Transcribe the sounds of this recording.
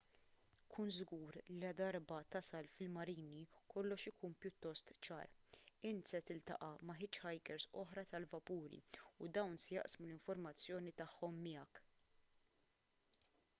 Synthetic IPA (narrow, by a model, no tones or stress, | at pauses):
kʰuːnzɡuːɾliɐd̪ɐɾbɐt̪ɐsɐlfɪlmɐɾiːnikɔlːɔʃɪkuːnpjʊt̪ːɔst̪t͡ʃɐ̰ːɾɪnt̪sɛt̪ɪlt̪ɐ̰ʔɐmɐħɪt͡ʃːħɐjkɛɾsɔħɾɐt̪ɐlvɐpuːɾḭud̪ɐwnsɛjɐ̰ʔsmulɪɱfɔɾmɐt͡sːjɔːnit̪ɐħːɔmːɪjɐk